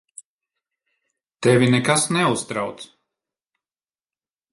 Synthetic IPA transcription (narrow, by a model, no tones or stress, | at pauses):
t̪ɛvʲinɛkasnɛust̪ɾawt̪s